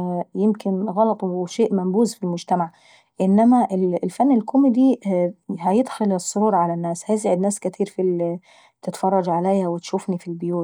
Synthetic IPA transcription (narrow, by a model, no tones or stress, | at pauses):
jɪmkɪnɣɑlɑt̪ˤwʃeːʔmæmbuːzfilmʊd͡ʒt̪amaʕ | ʔɪnːæmæʔɪllfænːɪlkʰʊmɪd̪i | ɦæjɪd̪xʊlɪsˤːʊɾuːɾˤʕalænːæːshæjɪs̬ʕɪd̪næːskɪt̪ʰiːɾfil | t̪ɪt̪fɑrˤːɑd͡ʒʕalajhæwɪt̪ʃufnifilbɪjuːt̪